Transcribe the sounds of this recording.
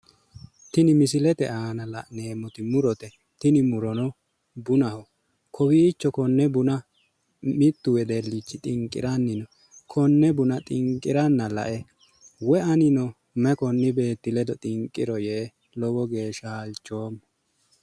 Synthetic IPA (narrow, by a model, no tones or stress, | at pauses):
t̪ɪnɪmɪs̬ɪlɛt̪ɛ̰ʔaːnɐlɐʔneːmːɔt̪ɪmʊɾɔt̪ɛ | t̪ɪnɪmʊɾɔnɔ | bʊnɐhɔ | kʰɔwiːt͡ʃːɔkɔnːɛbʊnɐ | mɪt̪ːʊwɛd̪ɛlːɪt͡ʃːɪt̪ʼɪŋkʼːɪ̰ɾɐnːɪnɔ | kʰɔnːɛbʊnɐt̪ʼɪŋkʼːɪɾɐnːɐlɐ̰ʔɛ | wɛɐnɪnɔ | mɛkɔnːɪbe̞ːt̪ːɪlɛd̪ɔt̪ʼɪŋkʼːɪɾɔjeː | lɔwɔɡe̞ːʃaːlt͡ʃːoːm